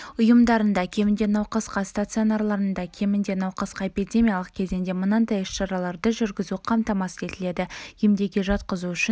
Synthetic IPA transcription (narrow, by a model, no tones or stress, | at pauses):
ʊjəmd̪ɑɾənd̪ɑkʲʰe̞mɪnd̪e̞nɑwqɑsqɑst̪at̪sɨo̞nɑrlˠɑɾənd̪ɑkʲʰe̞mɪnd̪e̞nɑwqəsqɑepid̪ʲe̞mʲijalˠəq̚kʲʰe̞zɪnd̪e̞mʊnɑnd̪ɑjɪʃʃɑɾɑlˠɑɾd̪əʒʏɾɡʲɪzuqʰɑmt̪ɑmɑsəd̪e̞t̪ɪle̞d̪ɪjemd̪e̞ɡʲeʒɑt̪qəzuʏʃɪ